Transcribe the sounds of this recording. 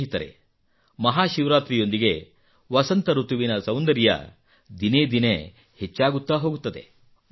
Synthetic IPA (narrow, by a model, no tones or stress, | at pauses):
ɦit̪ɐɾe̞̰ | mɐɦaːʃiʋɾaːt̪ɾijo̞nd̪iɡe̞ | ʋɐsɐnt̪ɐɾut̪uʋinɐsɐwnd̪ɐɾijɐ̰ | d̪ineːd̪ine | het͡ʃːaːɡut̪ːaɦo̞ːɡut̪ːɐd̪e̞̰